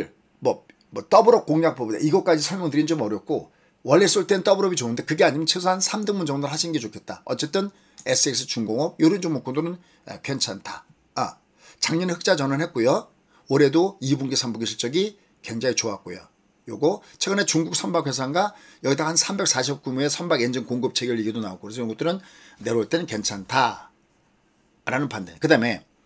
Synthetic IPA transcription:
ɭ | mʌ | mʌt͈ʌbɯɾʌp̚k͈oŋjak̚p͈ʌbida̰ʔiɡʌk͈ad͡ʑisʰʌɭmjoŋdɯɾint͡ɕomʌɾjʌk̚k͈o | wʌɭːes͈ɯɭt͈enɯnt͈ʌbɯɾʌbit͡ɕonɯnde̞kɯɡe̞aɲimjʌnt͡ɕʰes̬ʰahansʰamdɯŋmund͡ʑʌŋdɯɾɭhaɕʰinɡe̞t͡ɕokʰe̞t̚t͈aʌt͡ɕ͈e̞t͈ɯn | e̞s͈ɯeks͈ʰɯ̥t͡ɕuŋɡoŋʌb̚joɾɯnd͡ʑoŋmok͈ʰundonɯn | ḛpʰjʌnt͡ɕʰantʰa | a̰ | t͡ɕaŋɲʌnihɯk̚t͡ɕ͈ad͡ʑʌnɯɭnhet̚k͈ojo | ʌɾe̞doibuŋɡesʰambuɡiɕʰit͡ɕ͈ʌɡi | keŋd͡ʑaŋit͡ɕoak̚k͈ojo̰ | joɡot͡ɕʰweɡɯne̞t͡ɕuŋɡuk̚sʰʌnbakʰɸe̞sʰaŋɡa | jʌɡidahansʰambe̞k̚s͈ʰaɕʰip̚k͈umue̞sʰʌmbaɡend͡ʑɯŋkoŋɡɯp̚t͡ɕʰe̞ɡjʌʎːiɡidonaokokɯɾes̬ʰʌjŋɡot͈ɯɾɯnːe̞ɾoɭt͈e̞nɯnkent͡ɕʰantʰa | ɾanɯnpanda̰kɯdame̞

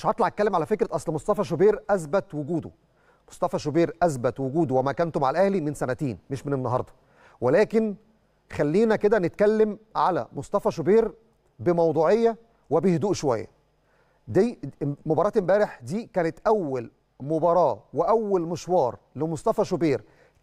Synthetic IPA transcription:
ʃʕɑɾt̪ˤlɑʕæt̪̚kælːemʕalæfekɾɪt̪ʔɑsˤlmosˤt̪ˤɑfɑʃ̬obiːɾʔæsbæt̪wʊɡuːd̪o̰ | mo̥sˤt̪ˤɑfɑʃobiːɾʔæsbæt̪wʊɡuːd̪owæmækænt̪omʕalæʔæhlimensænæt̪eːnmeʃmenenːɑɦɑ̰ɾˤd̪ˤɑ̥ | welæːkɪn | xælːiːnæked̪ænet̪̚kælːemʕalæ̰mosˤt̪ˤɑfɑʃobiːɾ | bemɑwd̪ˤuːʕejːæ | webehd̪uːʔʃowæ̰jːæ̰ | d̪imobɑɾˤɑːt̪embæːɾeħd̪iːkæːnet̪ʔæwːæl | mobɑɾˤɑːweʔæwːælmeʃwɑːɾˤlɪmosˤt̪ˤɑfɑʃobiːɾ

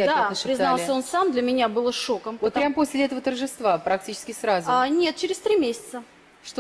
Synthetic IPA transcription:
ad̪anəʂɾʲɪznalˠsʲəo̞nsamd̪lʲɐmʲɪnʲabɨlˠəʂo̞kəmvot̪pɾʲaməposʲlʲɪɛt̪əvət̪ərʐɨst̪vapɾɐk̚tʲit͡ɕɪ̥skʲɪsɾazʊnʲet̪̚t͡ɕɪɾʲɪsʲt̪ɾʲimʲesʲɪ̥t̪sə | ʂt̪o

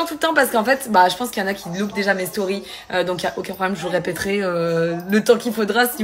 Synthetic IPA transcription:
ɑ̃t̪ult̪ɑ̃paʁsə̥kɑ̃fɛt̪baʒəpɑ̃skjɑ̃nakʲidlupd̪eʒamest̪ɔʁi | ød̪ɔ̃kjaʔokʲɛ̃pʰχɔblɛmʒəʁepɛt̪χɛølət̪ɑ̃kʲilfod̪ʁasi

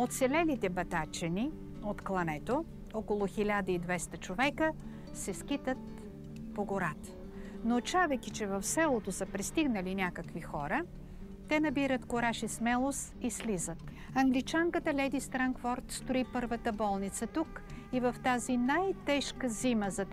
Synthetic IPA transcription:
ot̪sɛlɛnit̪ɛbɐt̪at͡ʃɛni | ot̪klˠɐnɛt̪o | ɔkolˠʊxilʲad̪əid̪vɛst̪ət͡ʃovɛkə | sɛsk̟it̪ət̪̚ | poɡoɾat̪ | not͡ʃavɛjkʲit͡ʃɛvɐfsɛlˠot̪osəpɾɛst̪iɡnəlinʲakəkvixɔɾə | t̪ɛnɐbiɾət̪koɾaʃismɛlˠos | islizət̪̚ | ɐŋɡlit͡ʃaŋkət̪əlʲɛd̪ist̪ɾaŋkfɔɾt̪st̪oipɤɾvət̪əbɔlˠnit̪sət̪ukivɐft̪azinajt̪ɛʃkəziməzɐ

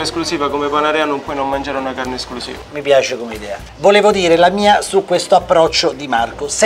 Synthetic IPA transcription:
esklusiːvakomepanaɾɛanompːwɔjnomːand͡ʒaːɾeunakarneesklusḭːamipjaːt͡ʃekomeid̪ɛːa̰ | voleːvod̪iːɾelamiːasukwest̪oapːɾɔt͡ʃːod̪imarkos

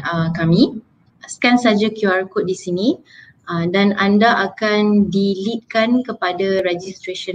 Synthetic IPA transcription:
əkamĩ | skansad͡ʒakjuarkʊt̪̚disinĩ | ʔədanandaʔakandilit̪̚kankəpadaɾɛd͡ʒist̪ɾeʃə

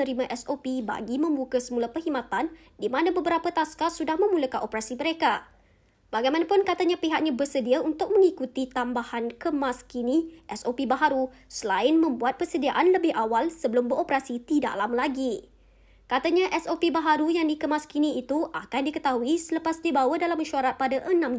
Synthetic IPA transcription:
əɾimãʔɛsopiba̰ɡimə̃mbukəsəmulapəhimat̪an | dimãnãbəbəɾapat̪askasudahmə̃muləkanʔopəɾasiməɾeka | baɡajmanapʊnkat̪aɲãpiɦak̚ɲãbərsədiaunt̪ʊk̚mə̃ŋikut̪it̪ambahankəmaskiniʔɛsopibaɦaɾu | səlaɪnmə̃mbuat̪̚pərsədiaʔanləbɪhawalsəbəlʊmbəɾʔopəɾasit̪ida̰ʔlamlaɡi | kat̪aɲaʔɛsopibaɦaɾujaŋdikəmaskiniːt̪uʔakandikət̪aɦuisələpasdibawadalaməʃuaɾat̪̚padaʔənãm

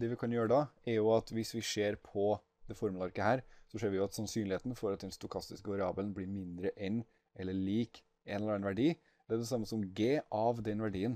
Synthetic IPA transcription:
d̪ɛʋɪkʰɑnjøːɾəd̪ɑæɾjʊɑt̪ʋɪsʋɪʂeːɾpʰɔ | d̪̥ɛfɔɾməlɑɾkəhæːɾsɔʂeːɾʋɪjʊɑt̪sɑnsyːnlɪheːt̪n̩fɔɾɑt̪̚d̪ɛnst̪ʊkʰɑst̪ɪskəɑɾɪɑːbəlnbliːɾmɪnd̪ɾəʔɛn | ɛlːəɭiːk | ɛnlɛɛnʋæɖiː | d̪̥ɛæɖɛsɑmːəsɔmɡeːʔɑʋd̪ɛnʋæɖiːən

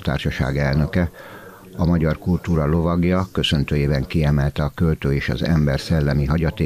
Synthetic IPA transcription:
t̪a̰ːrʃɒʃa̰ːɡɛlnø̞kɛ | ɒmɒɟɒrkult̪uːɾɒlo̞vɒɡjɒkø̞sø̞nt̪øːjeːbɛŋkiɛmɛlt̪ɛɒkølt̪øːeːʃɒ̰zɛ̰mbɛrsɛlːɛmiɦɒɟɒt̪eː

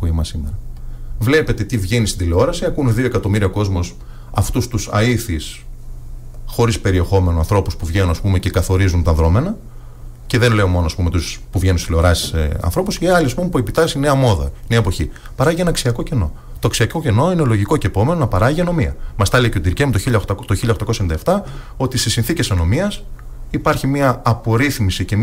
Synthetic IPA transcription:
puimɐsimeɾɐvle̞pe̞t̪e̞t̪ivʝenist̪ind̪ile̞o̞ɾɐsiɐkunðio̞e̞kɐt̪o̞miɾiɐko̞zmos | ɐ̰ft̪ust̪usɐ̰iθis | xo̞ɾispe̞ɾie̞xo̞me̞noɐ̃nθɾo̞puspuvʝenunɐspume̞ce̞kɐθo̞ɾizunt̪ɐðɾo̞me̞nɐ | ce̞ðe̞nle̞o̞mo̞noɐspume̞t̪uspuvʝenunsi̥ile̞o̞ɾɐsi̥sḛɐ̰nθɾo̞pusiɐliɐspumepuepit̪ɐsineɐmo̞ðɐ̰neɐepo̞çi | pɐɾɐʝienɐksiɐko̞ce̞no̞̰ | t̪oɐksiɐko̞ce̞no̞inelo̞ʝiko̞cepo̞me̞no̞nɐpɐɾɐʝiɐno̞miɐ̰mɐst̪ɐleceot̪iɾcemt̪oçiʎɐt̪t̪oçiʎːɐoxt̪ɐkosɐend̪ɐeft̪ɐ | o̞t̪isesinθice̞sɐno̞miɐs | ipɐɾçimiɐːpo̞ɾiθmisice̞

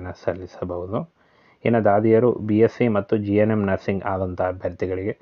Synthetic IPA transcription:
nɐsɐlːisɐbʱɐʋud̪u | eːnɐd̪aːd̪ijɐɾubijesimɐt̪ːud͡ʒienemnɐɾsiŋɡaːd̪ɐnt̪ɐɦɐbʱɐɾt̪iɡɐɭiɡe̞

